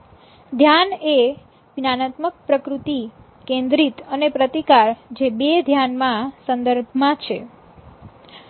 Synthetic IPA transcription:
d̪ʱjane | ʋinanat̪mək̚pɾəkɾut̪i | kẽnd̪ɾit̪ənepɾət̪ikaɾd͡ʒebed̪ʱjanmãsənd̪əɾbʱmãt͡ʃʰe

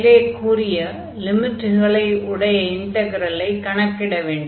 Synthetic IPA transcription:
leːʈ̚kuːɾɪjɐ | lɪmɪʈːɣɐɭɐɪʊɽɐjɐɪɳʈɐɣɐɾɐlɐɪkːɐɳɐkːɪɽɐʋeːɳɖ

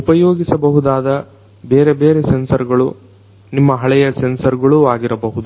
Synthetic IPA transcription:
upɐjoːɡisɐbɐɦud̪aːd̪ɐ | beːɾebeːɾesensɐɾɡɐɭṵ | nimːɐɦɐɭɛjɐsensɐɾɡɐɭuaːɡiɾɐbɐɦud̪u

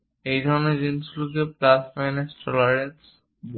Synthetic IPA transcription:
ejd̪ʱɔɾned͡ʑimslukeplasfajnesʈʰɔlaɾes

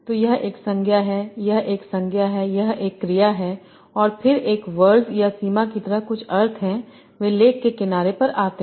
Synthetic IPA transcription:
t̪oːjɐɦeːksɐ̃ŋɡʱjaɦɛjɐɦeːksɐ̃ŋɡʱjaɦɛjɐɦeːkːɾijaɦɛ | ɔːɾpʰɪɾeːkʋəɾzjasiːmakit̪ɐɾaɦkʊt͡ʃʰɐɾt̪ʰɦɛ̃ | ʋeːleːkːekɪnaːɾepɐɾaːt̪e

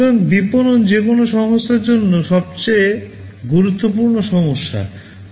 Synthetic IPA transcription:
oŋd̪iponond͡ʑekonoʃɔɦosːaɾd͡ʑonːoʃɔb̚t͡ɕej | ɡuɾut̪ːopuɾnoʃɔmoʃːa̰

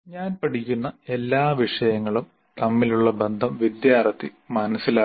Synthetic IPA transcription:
ɲaːnpɐʈikʲːunːɐe̞lːaːʋiʂɐjɐŋːɐɭum | t̪ɐmːiluɭːɐbe̞nd̪ʱɐmʋid̪jaːrɐt̪ːi | mɐnɐsːilaː

